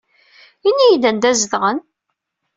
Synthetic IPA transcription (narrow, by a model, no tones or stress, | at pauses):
inːijd̪ænd̪æzðʁən